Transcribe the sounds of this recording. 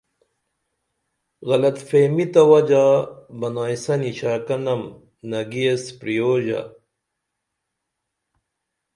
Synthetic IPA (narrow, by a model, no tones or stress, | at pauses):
ɣɐlɐt̪feːmit̪ɐwɐd͡ʑaːbɐnaːjsɐniɕaːkɐnɐm | nɐɡiespɾijoːʑa̰